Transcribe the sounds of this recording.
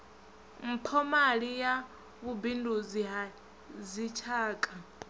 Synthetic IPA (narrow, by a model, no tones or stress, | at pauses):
m̩pʰɔmaɺija | βubinduziɦa | zit͡ʃʰaːkʼa